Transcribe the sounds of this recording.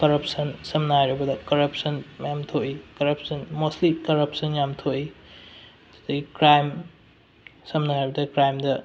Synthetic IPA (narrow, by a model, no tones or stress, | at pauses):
kɐɾɐpsɐnsɐmnajɾɐbɐdɐkɐɾɐpsɐnjamtʰoʔikɐɾɐpsɐnmoslikɐɾɐpsɐnjamtʰoi | dɐɡikɾajm | sɐmnajɾɐbɐdɐkɾajmdɐ